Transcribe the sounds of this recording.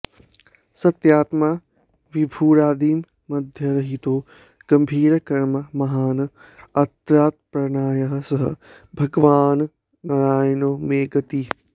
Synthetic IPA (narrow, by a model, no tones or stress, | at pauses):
sɐt̪jaːt̪maː | ʋibʱuːɾaːd̪iːmː | ɐd̪ʱjɐɾɐɦit̪oː | ɡ̥ɐmbʱiːɾɐkɐɾmɐmɐɦaːn | ɐt̪ɾaːt̪̚pɾɐnaːjɐɦɐsɐɦɐ | bʱɐɡʋaːn | nɐɾaːjnoːmeːɡɐt̪iː